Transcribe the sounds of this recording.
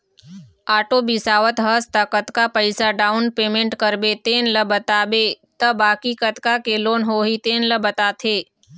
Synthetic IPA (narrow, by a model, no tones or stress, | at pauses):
aːʈoːbisaːʋət̪ɦəst̪əkət̪kapəɪsaɖaːʊnpeːmẽɳʈkəɾbet̪eːnləbət̪aːbe | t̪əbaːkikət̪kakeloːnɦoːɦit̪eːnləbət̪aːt̪ʰeː